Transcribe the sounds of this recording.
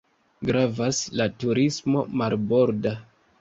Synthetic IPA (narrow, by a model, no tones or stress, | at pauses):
ɡɾavaslatuɾismo̞malbo̞ɾda